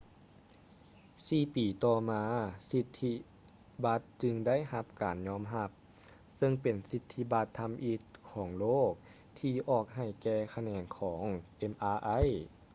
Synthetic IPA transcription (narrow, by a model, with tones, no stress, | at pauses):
siː˧˩piː˨˩t̪ɔː˧˩maː˧si˧t̪ʰːi˧˥ | ba˧˦˥t̪̚t͡ɕɯ˧ŋda˥˨jha˧˥p̚kaː˨˩nɲɔː˧˥˨mɦa˧p̚ | sɤ˧ŋpe˨˩nsi˧t̪ʰːi˧˥ba˧˥t̪ʰːa˧mʔiː˧t̪̚kʰɔː˩˦ŋloː˥˩k̚ | t̪ʰiː˧ʔɔː˧˩k̚ɦa˧˩jkɛː˧˩kʰa˧nɛː˧˩nkʰɔː˩˦ŋʔe˧˥mʔaː˧ʔa˧˥˨j